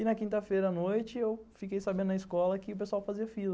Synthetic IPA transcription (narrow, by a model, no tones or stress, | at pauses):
ɪnɐkĩnt̪ɐfejɾɐnojt͡ʃɪewfikejsabẽd̪ʊnɐiskɔlɐkɪʊpesuawfaziɐfilɐ